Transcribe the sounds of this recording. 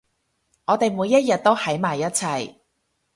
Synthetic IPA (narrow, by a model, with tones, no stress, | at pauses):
ŋɔː˨˧t̪e˨jmuː˨˧jːɐ˥t̚jɐ˨t̚t̪o˥whɐ˨˥jmaː˨˩jːɐ˥t̚t͡sʰɐ˧˩j